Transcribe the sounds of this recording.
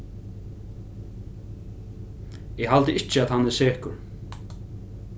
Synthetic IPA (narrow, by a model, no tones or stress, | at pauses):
ɛɦalt̪əʔɪt͡ʃːɪaðhanːɛsɛːkʊɾ